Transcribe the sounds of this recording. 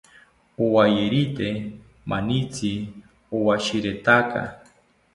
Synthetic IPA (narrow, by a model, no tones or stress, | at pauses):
owajeɾit̪e | mʔanit͡sʰi | owaʃiɾet̪aka̰